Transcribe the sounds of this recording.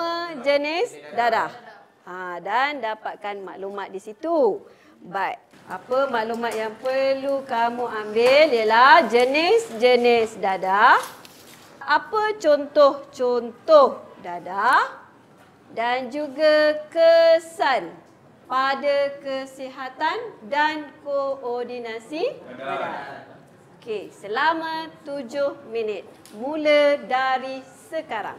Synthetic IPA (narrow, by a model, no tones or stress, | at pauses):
əd͡ʒənɪsdadah | adandapat̪̚kanma̰ʔlumat̪̚disit̪u | bai | apəmaʔlumat̪̚jaŋpəɾlukamuambɪljəlahd͡ʒənɪsd͡ʒənisdadah | apət͡ʃɔnt̪ɔht͡ʃɔnt̪ɔhdada | dand͡ʒuɡakəsan | padakəsiɦat̪andankoɔrdinasiaa | okesəlamãt̪ud͡ʒʊhminɪt̪̚ | mulədaɾisəkaɾa̰ŋ